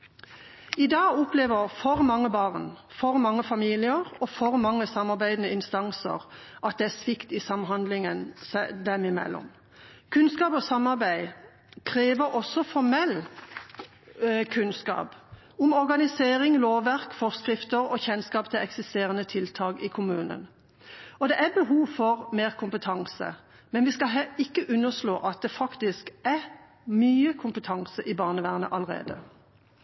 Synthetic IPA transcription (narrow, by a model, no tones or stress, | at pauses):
ɪd̪ɑːɡʊpleːʋəʁfɔʁmɑŋːəbɑːʁn | fɔʁmɑŋːəfɑmiːlɪəʁɔfɔʁmɑŋːəsɑmɑʁbæɪd̪ənəɪnst̪ɑŋsə̰ʁʔɑt̪̚d̪ɛæsʋɪkt̪ɪsɑmɦɑnd̪lɪŋənsɛd̪ɛmɪmɛ̰lːɔ̰m | kʰʉnskɑːpɔsɑmɑʁbæɪ | kʰʁeːʋəɾɔsːɔfɔʁmɛlː | kʰʉnskɑ̰ːp | ʊmɔʁɡɑnɪseːʁɪŋloːʋæʁkfɔʁskʁɪft̪əʁɔçɛnskɑːpt̪ʰɪlɛksɪst̪eːʁənət̪ʰɪlt̪ʰɑːɡɪkʰʊmʉːnə̰n | ɔd̪ɛʔæbəɦuːʋfɔʁmeːʁkʰʊmpət̪ʰɑŋsə̰ | mɛnʋɪskɑɦɛɪkːəʔʉnːəʁsloːʔɑt̪̚d̪ɛfɑkt̪ɪskæʁ | myːəkʰʊmpət̪ʰɑŋsəʔɪbɑːʁnəʋæːʁnə̰ʔɑləʁḛːd̪ə̰